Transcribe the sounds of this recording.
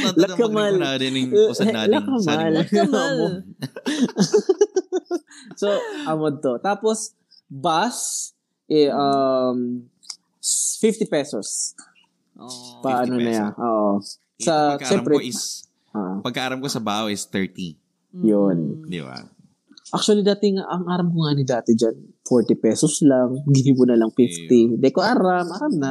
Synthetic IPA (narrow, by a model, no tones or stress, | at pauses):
lɐkːɐmɐl | lɐkːɐmalɐmɐmo | soʔɐmod̪̚t̪ot̪aːpos | bas | ʔɛʔɐm | sfift̪ɪpɛsos | pɐʔɐnonɐjaʔoːʔo | sɐʃɛpɾɛ | aʔopɐɡ̚kɐʔaːɾɐmkosɐbahoʔɪst̪ɛɹt̪i | jond̪ḭba̰ | ʔak̚t͡ʃuɐlid̪aːt̪ɛŋaʔɐŋʔaːɾɐmkoŋaːnɪd̪aːt̪ɛd͡ʒanfoɹt̪ɪpɛsoslaŋɡɪniːmʊnɐlɐŋfift̪id̪ɛkoʔaɾamʔaɾamnɐ